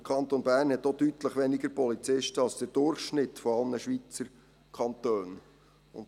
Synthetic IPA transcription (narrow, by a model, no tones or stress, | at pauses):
əkʰɑnt̪onbæɾnhɛt̪ːod̥ytləχʋɛnɪɡəɾpɔlit͡sɪʃtəɑlsd̥əd̥ʊɾχʃnɪtfɔɑlnəʃʋit͡səɾ | kʰɑnt̪øːn | ʊ̰n